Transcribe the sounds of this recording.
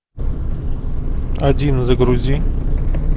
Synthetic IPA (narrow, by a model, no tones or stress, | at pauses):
ɐdʲinzəɡɾuzʲi